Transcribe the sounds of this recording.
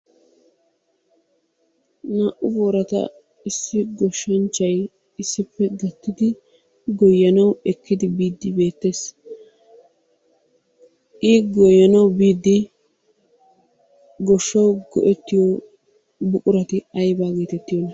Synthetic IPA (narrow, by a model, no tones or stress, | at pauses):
naːʔʊboːɾɐt̪ɐ̰ | ɪsːɪɡɔʃːɐnt͡ʃːɐj | ɪsːɪpːɛɡɐt̪ːɪd̪ɪ | ɡɔjːɐnɐwɛkːɪd̪ɪbiːd̪ːɪbe̞ːt̪ːe̞ːs | ʔiːɡɔjːɐnɐwbiːd̪ːɪ | ɡɔʃːɐwɡɔ̰ʔɛt̪ːɪjɔ | bʊkʼʊɾɐt̪ɪɐjbaːɡeːt̪ɛt̪ːɪjɔnɐ